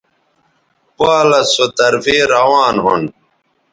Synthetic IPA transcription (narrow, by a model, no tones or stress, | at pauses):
paːlɐsot̪ɐɾfiːɾɐwaːnɦun